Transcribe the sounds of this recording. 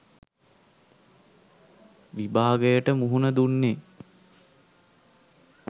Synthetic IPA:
ʋibaːɡəjəʈəmuɦunəd̪unːe

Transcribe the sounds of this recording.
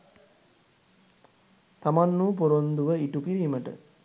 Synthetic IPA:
t̪amanːuːpuɾond̪uʋəiʈukiɾiːməʈə̰

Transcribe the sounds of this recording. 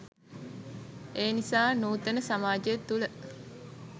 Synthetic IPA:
eːnisaːnuːt̪ənəsamaːd͡ʒejet̪ːulə

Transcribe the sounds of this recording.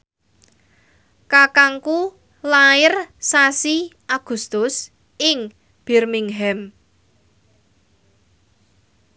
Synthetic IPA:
kakaŋku | laɪrsasiʔaɡ̥ṳst̪ʊs | ɪŋ | b̥ɛrmiŋɦɛm

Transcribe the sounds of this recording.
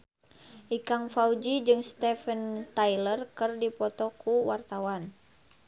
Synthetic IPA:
ʔikaŋfaud͡ʒid͡ʒɨŋst̪ɛfənt̪ajlərkɨrdipɔt̪ɔkʰuwart̪awan

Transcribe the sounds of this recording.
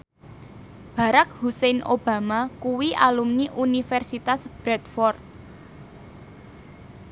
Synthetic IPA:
b̥ä̤ɾak̚husɛnʔob̥a̤makuwiʔa̰lumniʔunifɛrsit̪asb̥ɾɛt̪fɔrt̪̚

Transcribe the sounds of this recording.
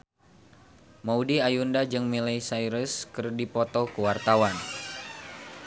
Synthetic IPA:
maudiajundad͡ʒɨŋmilajsajɾəskɨrdipɔt̪ɔkəwart̪awan

